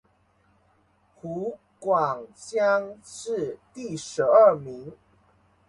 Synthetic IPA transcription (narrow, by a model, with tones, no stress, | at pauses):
hu˨˦ | kwa˨˩ŋt͡ɕja˦ŋʂɻ̩˥˨t̪i˥˨ʂɻ̩˨˦ə˥˩mi˨˦ŋ